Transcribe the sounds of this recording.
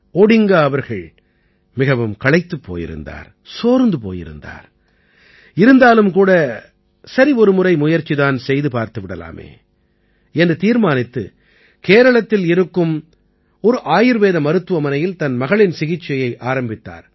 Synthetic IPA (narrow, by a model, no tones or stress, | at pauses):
ɔɽɪŋɡaɐʋɐɾɣɐɭ | mɪɣɐʋɯmkɐɭɐɪt̪ːɯpːo̰ːjɪ̰ɾɯ̰nd̪a̰ːɾ | soːɾnd̪ɯpo̰ːjɪ̰ɾɯ̰nd̪a̰ːɾ | ɪɾɯnd̪aːlɯmkuːɽɐ | sɐɾiɔɾɯmʊrɐɪmʊjɐɾt͡ʃːiðaːnsɛjðɯpaːɾt̪ɯʋɪɽɐla̰ːmḛː | ɛndrɯt̪iːɾmaːnɪt̪ːɯ̰ | keːɾɐɭɐt̪ːɪlɪɾɯkːɯm | ɔɾɯʔaːjɪɾʋeːðɐmɐɾɯt̪ːɯʋɐmɐnɐjɪlt̪ɐnmɐɣɐɭɪnsɪɣɪt͡ʃːɐjɐɪʔaːɾɐmbɪt̪ːa̰ːɾ